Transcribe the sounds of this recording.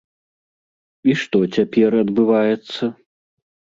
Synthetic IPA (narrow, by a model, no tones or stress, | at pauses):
iʂt̪ɔt͡sʲapʲɛrɐd̪bɨvajɛt̪sːɐ